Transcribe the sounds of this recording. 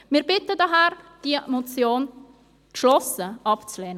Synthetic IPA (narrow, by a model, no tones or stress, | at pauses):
mɪɾbɪtədɑɦæɾd̥iəʔmot͡sjoːn | tʃlɔsəɑpt͡sleːnə